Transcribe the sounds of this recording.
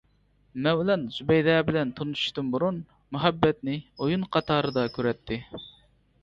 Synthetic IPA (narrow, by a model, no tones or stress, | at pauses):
mɛwlɛnzubɛjd̪ɛbɪlɛnt̪ʰonuʃu̥ʃt̪ɨnbuɾun | muɦɛbːɛt̪nɪojunqʰɑt̪ʰɑːɾɨd̪ɑkʲʰøɾɛt̪ʰːɪ